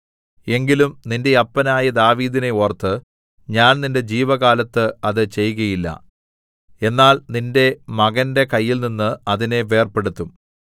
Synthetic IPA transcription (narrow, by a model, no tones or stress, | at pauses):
e̞ŋɡilumninde̞ɐpːɐnaːjɐd̪aːʋiːðine̞ort̪ːɨ | ɲaːnninde̞d͡ʑiːʋɐɣaːlɐt̪ːɨɐðɨt͡ɕe̞jːuɣɐjilːɐ̰ | e̞nːaːlninde̞mɐɣɐnde̞kɐjːilninːɨɐðine̞ʋe̞ːrpe̞ɽut̪ːum